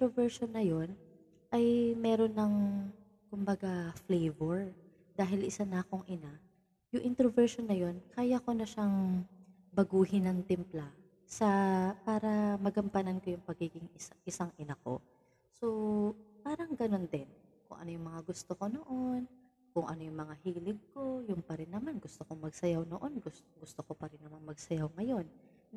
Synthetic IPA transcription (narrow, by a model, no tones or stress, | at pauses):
t̪ɾovɛɹʃonːɐjo̞n | ʔɐjmɛːɾo̞nːɐŋ | kʊmbɐɡaflɛjvɛɹ | d̪aːɦɪlʔɪsanɐkoŋʔɪna | jʊŋʔɪnt̪ɾovɛɹʃonːɐjo̞nkʰaːjɐko̞nɐʃaŋ | bɐɡuːhɪnɐŋt̪ɪmpla | sɐpaːɾɐmɐɡɐmpɐnɐnkojʊŋpɐɡiːɡɪŋɪʔɪsaŋʔɪnɐko̞̰ | so̞paːɾɐŋɡɐno̞nd̪ɪnkʊ̰ŋʔɐ̰no̞jʊŋmɐŋaɡʊst̪oko̞no̞ʔo̞n | kʊŋʔɐ̰no̞jʊŋmɐŋahiːlɪɡ̚ko̞jʊnpɐɾɪnːɐmanɡʊst̪okoŋmɐɡsɐjawno̰ʔo̞nɡʊst̪ɡʊst̪okopɐɾɪnːɐmanmɐɡ̚sɐjawŋɐjo̞n